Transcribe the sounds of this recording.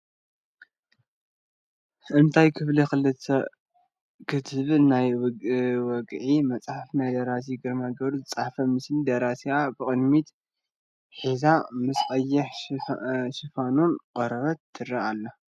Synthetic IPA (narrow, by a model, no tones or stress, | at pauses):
ʔɨnt̪ʰajkʰɨflixɨlɨt̪ʰɐ̰ | kʰɨt̪ʰɨβnaj | wɔɡʼʕimɐt͡sʼħafnajd̪ɐɾasiɡɨɾmaɡɐβɾuzɨt͡sʼaħfɐmɨslid̪ɐɾasiabɨkʼɨd̪mit̪ | ħizamɨsʼxʼɐjːɐħ | ʃɨfanunqʼɐɾɐβɐt̪ʰːɨɾɐalːɐ